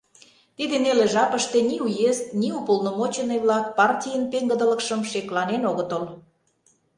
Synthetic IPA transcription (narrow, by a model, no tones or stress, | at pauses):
t̪id̪ĕneleʒɑpəʃt̪enʲiujest̪niupəlnomot͡ɕenəjβlɑk̚pɑrtʲijənpeŋɡə̆d̪ə̆lə̆kʃə̆mʃeklɑnenoɣə̆t̪əl